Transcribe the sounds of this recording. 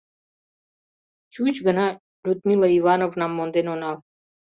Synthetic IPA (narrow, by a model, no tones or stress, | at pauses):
t͡ɕut͡ɕɡə̆nɑ | lʲut̪mʲilˠəivɑnovnɑmːond̪enonɑl